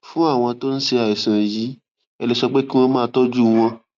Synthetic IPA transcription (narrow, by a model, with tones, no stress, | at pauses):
fũ˦a˦˨w̃ɔ̃˧to˦n̩˦ʃe˧a˨i˨sã˨ji˨˦ | ɛ˧lɛ˧sɔ˧k͡pe˦ki˦w̃ɔ̃˧mãː˦˧tɔ˦d͡ʒu˦w̃ɔ̃˧